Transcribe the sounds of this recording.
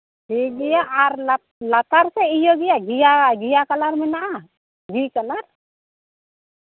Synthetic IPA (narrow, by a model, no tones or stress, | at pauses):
hiɡijaʔːɾa | lat̪aɾsɛijɔɡijaɡijaɡijakalaɾmɛnaʔa | ɡikalaɾ